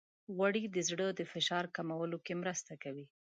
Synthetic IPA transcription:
ɣaɽid̪əzɽəd̪əfɪʃɑɾkamawəlokemɾəst̪akawi

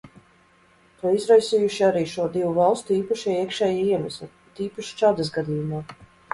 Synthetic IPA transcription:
t̪uɔizɾajsijuʃiaɾiːʃuɔd̪ivuvalˠst̪uiːpaʃɛiɛkʃɛːjaiɛmɛslʲi | t̪iːpaʃi̥t͡ʃad̪as̬ɡad̪ijumaː

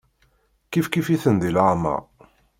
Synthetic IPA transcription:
kifkifiθənd̪ilamɑ̰

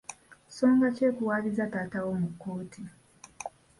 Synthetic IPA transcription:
so̞ːŋɡaceːkuwaːβizataːtawo̞mukːo̞ːtʰi

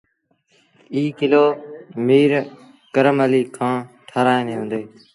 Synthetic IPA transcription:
iːkɪloːmiːɾ | kəɾəməliːkʰãː | ʈʰəːɾaːẽːneːɦõːnd̪eː

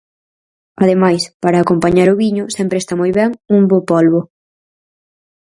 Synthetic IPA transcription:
ɐðemajspaɾaːkompaɲaɾʊβiɲʊsɛmpɾest̪amojβɛŋuŋbopolβʊ

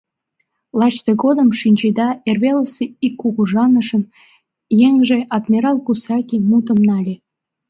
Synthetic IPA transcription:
lɑt͡ɕt̪eɣod̪əmʃinʲd͡ʑed̪ɑerβeləseikːuɣuʒɑnəʃən | jeŋʒeʔɑd̪mʲiɾɑlkusɑkʲimut̪əmnɑlʲe

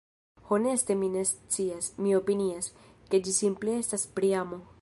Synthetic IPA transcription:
ho̞ne̞ste̞mine̞st͡siasmio̞pinias | ke̞d͡ʒisimple̞e̞staspɾiamo̞

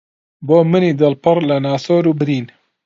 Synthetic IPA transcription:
boːmɨniːd̪ɨlpɨrlɐnaːsoːɾubɨɾiːn

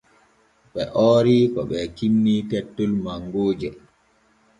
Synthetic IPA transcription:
ɓɛʔɔːɾikɔ̰ɓɛkinːitɛtːɔlmaŋɡoːd͡ʒɛ

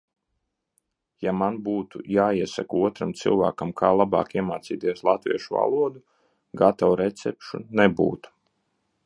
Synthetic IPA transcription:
jamanbuːt̪ṵjaːiɛsa̰kuɔt̪ɾamt̪sɨ̰lˠva̰ːkamkʰaːlˠaba̰ːkiɛmaːt̪siːt̪iɛslˠat̪vʲḭɛʃuva̰lˠuɔd̪u | ɡat̪awɾɛt̪sɛpʃṵnɛbṵːt̪u̥

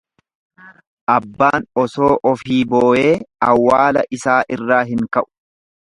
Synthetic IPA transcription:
ʔɐbːaːnɔso̞ːʔɔfiːboːʔeːɐwːaːlɐʔɪsaːʔɪrːaːɦɪŋkɐʔʊ̥

